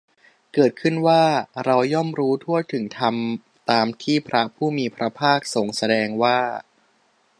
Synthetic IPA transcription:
kɤː˨˩t̪̚kʰɯ˥˩nwaː˥˩ɾa˧wjɔ˥˩mɾuː˦˥t̪ʰu˥˩ət̪ʰɯ˩˦ŋt̪ʰa˧m | t̪aː˧mt̪ʰiː˥˩pʰɾa˦˥pʰuː˥˩miː˧pʰɾa˦˥pʰaː˥˩k̚so˨˩ŋsa˧dɛː˧ŋwaː˥˩

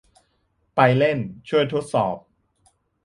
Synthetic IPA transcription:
pa˧jle˥˩nt͡ɕʰu˥˩əjt̪ʰo˦˥t̪̚sɔː˨˩p̚

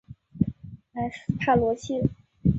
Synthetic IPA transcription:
a˧˩st̪ʰa˥˩lwɔ˧˥t͡ɕʰi˥˩

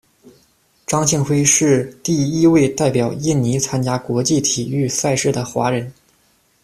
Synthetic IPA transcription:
ʈ͡ʂɑ˥ŋt͡ɕʰi˥˩ŋxwe˥ɪʂɻ̩˥˧t̪i˥˩i˥we˥˧ɪt̪a˥˩ɪpjɑ˨˩ʊi˥˩nni˧˥t͡sʰa˥nt͡ɕja˥kwɔ˧˥t͡ɕi˥˩t̪ʰi˨˩y˥˧sa˥˧ɪʂɻ̩˥˩d̪ə˩xwa̰˧˥ɻə˧˥n

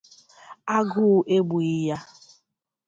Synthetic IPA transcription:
a˦ɡʊ˦˨ʔe˦ɡ͡bu˨i˦ja˦

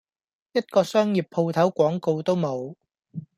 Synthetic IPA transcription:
jɐ˥t̚kɔː˧sœː˥ŋji˨pʰːo˧wt̪ʰɐ˨˥wkʷwɔː˨˥ŋko˧wt̪o˥wmo˨˧w

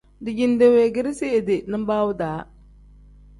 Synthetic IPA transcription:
dɪ˨d͡ʒi˨n˦de˨we˨ɡɪ˦ɾɪ˦si˦e˨dɪ˨nɨ˦m˦baː˦wʊ˦daː˨˦

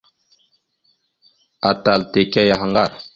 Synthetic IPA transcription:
a˨ta˨lte˨ka˦ja˨ɦa˨ŋɡa˦˨ɾ

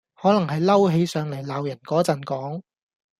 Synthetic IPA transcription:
hɔː˨˥lɐ˨˩ŋɦɐ˨jlɐ˥wɦe˨˧jsœː˨ŋlɐ˨˩jlaː˨wjɐ˨˩nkɔː˨˥t͡sɐ˨˩nkɔː˨˥ŋ

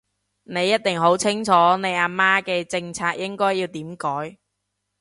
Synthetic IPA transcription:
ne˨˧jːɐ˥t̚t̪ɪ˨ŋɦo˨˥wt͡sʰɪ˥ŋt͡ʃʰɔː˨˥ne˨˧jaː˧maː˥kɛː˧t͡sɪ˧ŋt͡sʰaː˧k̚jɪ˥ŋkɔː˥jːiː˧wt̪iː˨˥mkɔː˨˥j

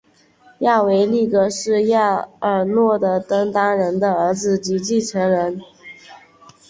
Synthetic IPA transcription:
ja˥˩we˧˥ɪli˥˩kə˧˥ʂɻ̩˥˧ja˥˩ə˨˩nwɔ˥˩d̪ə˩t̪ə˥ŋt̪a˥ɻə˧˥nd̪ə˧ə˞˧˥d͡zɹ̩˧t͡ɕi˧˥t͡ɕi˥˩ʈ͡ʂʰɤ˧˥ŋɻə˧˥n

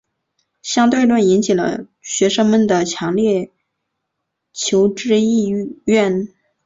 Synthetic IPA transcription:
ɕjɑ˥ŋt̪we˥˧ɪlwa˥˩ni˧˥nt͡ɕʰi˨˩lə̰˧˦ | ɕɥɛ˧˥ʂɤ˥ŋmə˨nd̪ə˩t͡ɕʰjɑ˧˥ŋljɛ˥˩ | t͡ɕʰjo˧˥ʊʈ͡ʂɻ̩˥˧i˥˧ɥɛ˥˩n

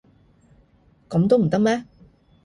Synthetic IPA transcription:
kɐ˨˥mt̪̬o˥wm̩˨˩t̪ɐ˥k̚mɛː˥

